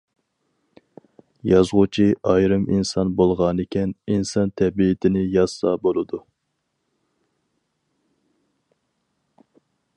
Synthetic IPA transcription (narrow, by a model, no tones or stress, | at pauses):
jɑzʁʊt͡ʃʰiɑjɾɨminsɑnbolˠʁɑnɪkʲɛninsɑnt̪ʰɛbiːt̪ʰɪnɪjɑz̥ːɑbolˠɨd̪u